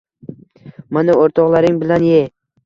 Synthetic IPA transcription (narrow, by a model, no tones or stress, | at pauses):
manaoɾt̪ʰɒqlˠaɾɪŋbɪlanje